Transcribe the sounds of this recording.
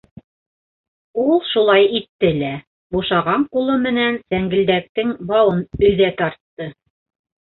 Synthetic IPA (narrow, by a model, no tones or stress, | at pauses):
ulˠʃulˠɑjit̪ːɘlæ | buʃɑʁɑɴqulˠɤmɘ̆nænsæŋɡɘ̆ld̪æk̚t̪ɘŋbɑwɤnɵ̆ðæt̪ɑɾt̪ːɤ